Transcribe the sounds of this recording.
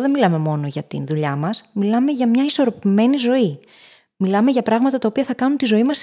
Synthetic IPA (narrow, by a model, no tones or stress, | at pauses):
ðe̞nmilɐme̞mo̞no̞ʝɐt̪ḭnðuʎɐmɐsmilɐme̞ʝɐmɲɐiso̞ɾo̞pime̞nizo̞i | milɐme̞ʝɐpɾɐɣmɐt̪ɐt̪ɐopiɐθɐkɐnunt̪izo̞imɐs